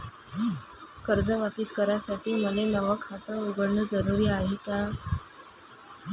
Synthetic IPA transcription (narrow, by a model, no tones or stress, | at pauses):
kəɾd͡zəʋapiskəɾasaʈiːməlenəʋəkʰat̪əuɡəɽɳəːd͡zəɾuɾiːaɦet̪a